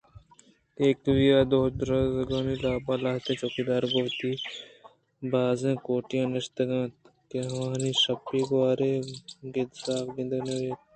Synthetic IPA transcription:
eːkʋijaːd̪oːd̪ɾɐzɡaːniːlaːpaːlaːɦt̪ẽːt͡ʃoːkid̪aːɾɡoːt̪iː | baːzẽːkoːʈijãːnɐʃt̪ɐɡãːt̪ | keɦʋãːniʃɐpːiːɡʋaːɾeːɡet̪saːfɡɪ̃nd̪ɐneeː

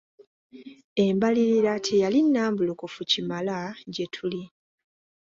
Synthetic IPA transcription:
e̞mbaliɾiɾatʰejalinːaːmbulukufucimalaɟe̞tʰuli

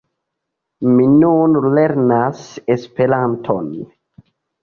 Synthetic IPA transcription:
minunle̞ɾnasespe̞ɾantʰon

